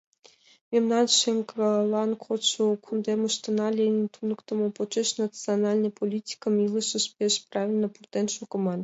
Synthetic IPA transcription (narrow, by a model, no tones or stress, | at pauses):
mʲemnɑnʃeŋkolˠɑnkʰot͡ɕukʰund̪emə̆ʃt̪ɤ̆nɑlʲenʲt̪unɤ̆kt̪ɤ̆mopot͡ʃeʃnat̪t͡sɨonɑlʲnəpolʲitʲi̥kə̆milˠɤʃə̆ʃpʲeʃprɑvʲilʲnəpurt̪enʃukɤ̆mɑn